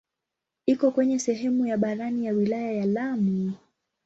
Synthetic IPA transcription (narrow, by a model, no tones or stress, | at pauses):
ikɔkwɛɲɛsɛɦɛmujaɓaɾanijawilajajalami